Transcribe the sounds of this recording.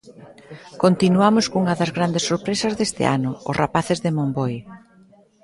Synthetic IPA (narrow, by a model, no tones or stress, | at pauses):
kont̪inuamʊskuŋɐðɐzɣɾand̪esːoɾpɾesɐzðest̪ɪ̰ʔa̰nʊʊ̰srapaθɪzðɪmombɔj